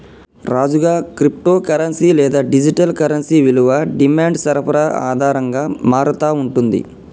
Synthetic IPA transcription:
ɾaːd͡ʒuɡaːkɾip̚ʈoːkɐɾɐnsiːlɛːd̪aːɖid͡ʒiʈɐlkɐɾɐnsiʋiluʋɐɖimaːɳɖsɐɾɐpʰɐɾɐa̰ːd̪ʱaːɾɐŋɡaːmaːɾɐt̪aːuɳʈund̪ḭ

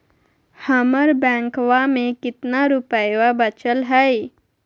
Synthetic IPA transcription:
həməɾbɛ̃ːŋkwamẽkɪt̪naɾʊpəjwabət͡ʃəlɦɛj

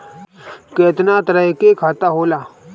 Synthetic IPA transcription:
keːt̪naːt̪ɾəɦkekʰaːt̪aɦoːlaː

